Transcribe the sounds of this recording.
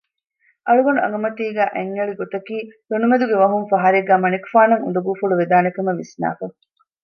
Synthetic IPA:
ʔɐɭuɡɐnuɐ̰ŋɡɐmɐʈ̪iːɡæːʔeŋːɐɭiɡot̪ɐkiːfonumed̪uɡeʋɐɦuŋfɐɦɐɾeɡːæːmɐnikufaːnɐŋṵnd̪ɐɡuːfuɭuʋed̪aːnekumɐʋisna̰ːfɐ

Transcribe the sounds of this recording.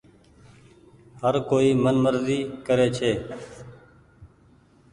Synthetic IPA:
həɾkoːiːmənməɾziːkəɾeːt͡ʃʰeː

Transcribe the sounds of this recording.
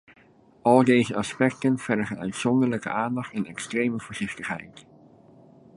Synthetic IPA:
ɑlˠdejzəʔɑspɛk̚tənv̥ɛɾəχənœ̰ɥtsɔndəɹləkə̰ʔaːndɑχtɛnɛkstrejməvʊːɹz̥ɪχtəχɦɛ̰jt

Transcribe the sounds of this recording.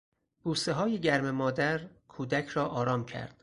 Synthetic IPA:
b̥uːst̪eɦɒːjeɟæɾmemɒːd̪æɾkʰuːd̪æcʰɾɒːʔɒːɾɒːmcʰæ̰ɾd̪̥

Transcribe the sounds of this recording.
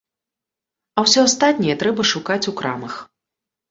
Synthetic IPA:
ɐwsʲɔast̪at̪ʲnʲɛjɛt̪ɾɛbɐʂukat͡sʲukɾa̰mɐx

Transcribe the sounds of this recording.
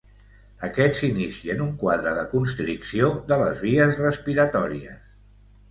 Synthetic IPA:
əkɛzinisiənuŋkwaðɾəðəkunst̪ɾiksioðələ̰zβiəzrəspiɾət̪ɔɾiə̰s

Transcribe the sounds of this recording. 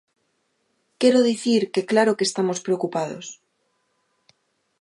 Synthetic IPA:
keɾoðiθiɾkeklaɾokest̪amospɾeokupað̞o̰s

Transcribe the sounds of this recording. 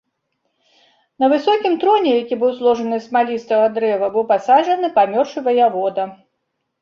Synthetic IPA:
nɐvɨsɔkʲimt̪ɾɔnʲɛjakʲibɨwzlˠɔʐɐnɨsmalʲist̪vɐɣɐd̪ɾɛvɐbɨwpasaʐɐnɨpamʲɔrʂɨvɐjɐvɔd̪ɐ

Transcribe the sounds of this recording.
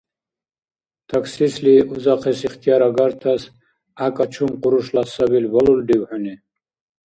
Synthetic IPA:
t̪ʰaksisliʔuzaqʰɛsiχt̪ʰijaɾaɡaɾt̪ʰas | akʼat͡ʃʰumqʼuɾuʃlasabilvaluld̪iwħuni

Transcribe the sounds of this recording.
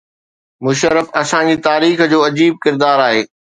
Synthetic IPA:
mʊʃəɾəfɐsãd͡ʑiːt̪aːɾiːxd͡ʑoːɐd͡ʑiːb̚kɪɾd̪aːɾaːɦeː

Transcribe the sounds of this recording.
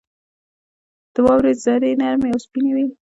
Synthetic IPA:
d̪̥əwɑwɾed̪zaɾenaɾmejawspinewi

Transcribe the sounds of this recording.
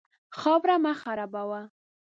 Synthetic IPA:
xɑbɾamaχaɾabawa

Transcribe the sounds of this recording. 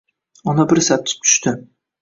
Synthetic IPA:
ɒnabɪɾsap̚t̪ʰɪ̥p̚t̪ʰʊ̥ʃt̪ɪ

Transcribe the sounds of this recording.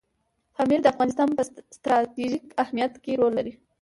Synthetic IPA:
fɑmiɾd̪əafɣɑnɪst̪ɑnpəst̪ɾɑt̪iʒikahmijat̪keɾolːaɾi

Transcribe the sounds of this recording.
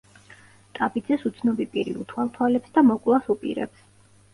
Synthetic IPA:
t̪ʼapʼid̪zɛsut̪sʰnɔbipʼiɾḭṵt̪ʰwalˠt̪ʰwalɛpsd̪amɔkʼlˠasupʼḭɾɛ̰ps

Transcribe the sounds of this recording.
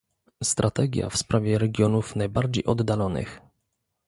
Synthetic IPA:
st̪ɾʔat̪ɛɡʲja̰fspɾʔavʲjɛɾɛɡʲjɔnufnajbaɾd͡ʑejʔɔd̪ːalɔnɘ̰x

